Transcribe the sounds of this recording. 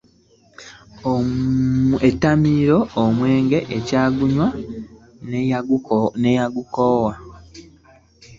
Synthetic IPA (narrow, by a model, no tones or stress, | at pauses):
o | etːamiːɾo̞ːmwe̞ːŋɡe̞ʔecaːɡuɲwa | n | nejaɡukoːwa